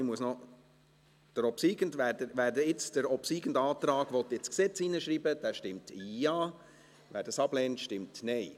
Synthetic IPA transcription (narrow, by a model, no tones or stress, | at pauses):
ɪmuəsnɔ | d̥əɾɔpsiːɡ̥əndʋæːdəʋæːɾdəɪt͡sd̥əɾɔpsiːɡən̩dɑːtɾɑːɡʋɔt̪ːɪt͡sksɛt͡siːnəʃɾiːbəd̥æːʃtɪmtʰijɑː | ʋæːɾd̥ɑsɑblɛːntʃtɪmtnɛɪ